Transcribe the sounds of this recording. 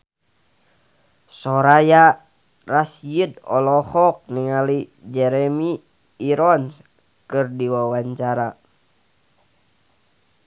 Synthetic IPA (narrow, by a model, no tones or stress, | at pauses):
sɔɾaja | rasjidɔ̰lɔhɔk̚niŋalid͡ʒɛɾɛmiː | ɾɔns | kɨrdiwawaɲt͡ʃaɾa